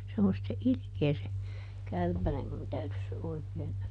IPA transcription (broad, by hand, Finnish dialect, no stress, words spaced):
se on sĭtːe ilĭkeː se kærpænem mun tæytys se oikeːn